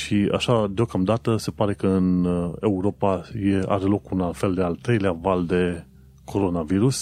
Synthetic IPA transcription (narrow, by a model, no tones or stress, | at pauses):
ʃia̰ʃad̪eo̞kamd̪at̪əse̞paɾe̞kəɨne̞uɾo̞pajea̰ɾe̞lo̞kunalfe̞ld̪e̞alt̪ɾe̞jleavald̪e̞ | kʰo̞ɾo̞naviɾus